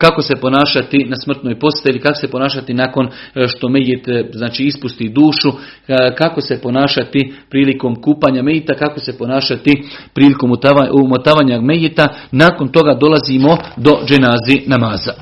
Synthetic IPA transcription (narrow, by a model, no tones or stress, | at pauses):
kako̞se̞po̞naːʃat̪inasmr̩t̪noːjpo̞st̪eilikakose̞po̞naːʃat̪inako̞nʃt̪o̞mejet̪znaːt͡ʃiːispust̪iːd̪uːʃu | kako̞se̞po̞naːʃat̪ipɾiːliko̞ːmkuːpaːɲamejit̪akako̞se̞po̞naːʃat̪ipɾiːlikoːmut̪aaumot̪aːʋaːɲamejet̪anako̞nt̪o̞ɡad̪o̞laziːmo̞d̪o̞d͡ʒenaːzinamaːza